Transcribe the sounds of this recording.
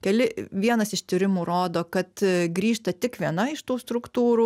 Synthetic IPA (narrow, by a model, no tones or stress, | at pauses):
kʲɛlʲɪʋʲiɛnɐsɪʃt̪ʲɪɾʲɪmuːɾoːd̪oːkɐt̪ɡɾʲiːʃt̪ɐt̪ʲɪkʋʲiɛnɐɪʃt̪uːst̪ɾʊkt̪uːɾuː